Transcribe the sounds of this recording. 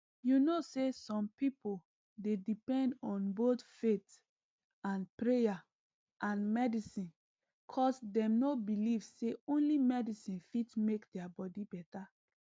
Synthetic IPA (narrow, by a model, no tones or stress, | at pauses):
junosesɔ̃mpipol | dedipɛ̃ndɔ̃nbotfet | ãnpɹeja | ʔãnmɛdisĩn | kʰɔsdɛ̃mnobilivseõnlimɛdisĩnfitmekdɛabɔdibɛta